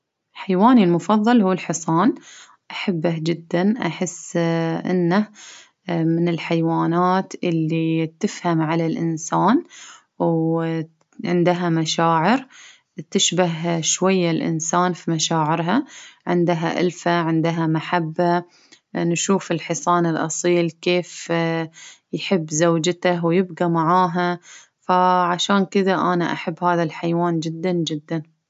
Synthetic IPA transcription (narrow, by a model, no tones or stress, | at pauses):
lħajwaːnilmʊfɑðˤːɑlhuːɪlħɨsˤɑːn | ʔaħabːad͡ʒɪd̪ːanʔaħɪsːʔɪ̰nːah | mɪnɪlħajwaːnaːt̪ʔɪlːit̪ɪfhamʕalalʔɪnsaːn | w | ʕɪnd̪ɦamaʃaːʕɪɾ | t̪ɪʃbaɦʃwajːalʔɪ̰nsaːnfimaʃaːʕɪɾɦaʕɪ̰nd̪ɦaʔa̰lfaʕɪnd̪ɦamaħabːa | nʃuːfɪlħɪsˤɑːnɪlʔɑ̰sˤiːlkeːf | jħɪbːzawd͡ʒt̪awjɪbɡamaʕaːɦa | faʕaʃaːnkɪðaʔanaʔaħabːhaːðalħajwaːnd͡ʒɪd̪ːand͡ʒɪd̪ːan